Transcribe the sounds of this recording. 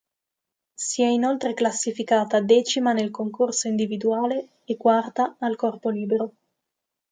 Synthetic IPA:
siɛinolt̪ɾeklasːifikaːt̪ad̪ɛːt͡ʃimanelkoŋkorsoind̪ivid̪uaːle | ekːwart̪aːlkɔrpoliːbeɾo

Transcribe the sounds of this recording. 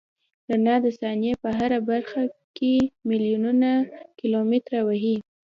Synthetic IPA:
ɾanɑd̪əsɑnjepəɦaɾabaɾxakemɪlijununakɪlomɪt̪ɾawaɦi

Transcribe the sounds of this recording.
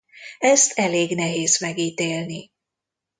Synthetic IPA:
ɛst̪ʰɛleːɡnɛɦeːzmɛɡiːt̪eːlni

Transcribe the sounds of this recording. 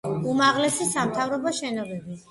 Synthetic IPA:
umaʁlɛsisamt̪ʰavɾɔbɔʃɛnɔbɛbi

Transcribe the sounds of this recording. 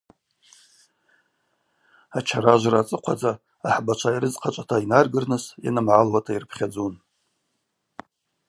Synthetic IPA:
at͡ʃʰaɾaʒʷrat͡sʼɨqʷʰad͡za | aħbat͡ʃʷʰaiɾɨzqʰat͡ʃʷʼatʰainarɡɨrnɨsja̰nɨmʕalwatʰairpʰχʲad͡zun

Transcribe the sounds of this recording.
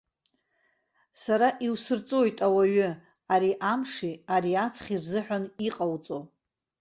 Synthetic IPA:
saɾaʔiwsɨrt͡sʼo̞jtʼawaɥʏ | aɾiʔamʂiaɾiat͡sʰχʲirzɨħʷᶣaniqʼawt͡sʼo

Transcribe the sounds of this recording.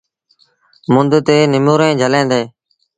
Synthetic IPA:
mʊnd̪t̪eːnɪmuːɾẽːd͡ʒʱəlẽːnd̪eː

